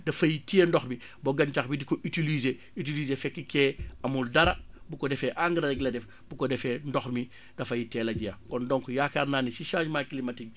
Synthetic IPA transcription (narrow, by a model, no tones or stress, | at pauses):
dɐfɐjitijendɔxmi | bɔɡɐntɐxbidikɔʔitilize | it̬iliːzefɛkːikɛːɐmuldɐɾɐ | bukɔdɛfɛʔaŋɡəɾɐɾɐɡlɐdɛf | bukɔdɛfɛndɔxmi | d̥ɐfɐjitɛːlɐɟijɐkɔndɔŋkɔjaːxaɾnaːnisiʃad͡ʒmakilimɐtiɡ